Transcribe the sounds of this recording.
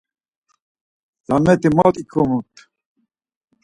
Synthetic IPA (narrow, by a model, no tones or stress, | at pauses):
zamɛt̪imɔt̪ikʰumut̪